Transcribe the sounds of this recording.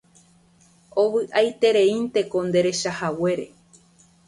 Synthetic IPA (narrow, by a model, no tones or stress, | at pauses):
o̞βɨʔajt̪e̞ɾe̞ĩnt̪e̞ko̞nd̪e̞ɾe̞ʃahawe̞ɾe̞̰